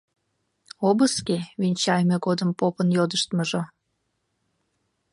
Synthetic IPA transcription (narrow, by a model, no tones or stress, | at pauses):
obəskeβinʲt͡ɕɑjmeɣod̪əmpopənjod̪əʃt̪məʒo